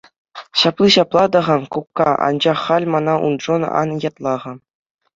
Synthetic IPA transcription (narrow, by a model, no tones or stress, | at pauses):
ɕɑplˠiɕɑplˠɑd̪ɤ̆ʁɑnkukːɑɑ̰nd͡ʑɑχːɑlʲmɑnɑʔṵnd̪ʐonɑ̰njɑt̪lˠɑʁɤ̆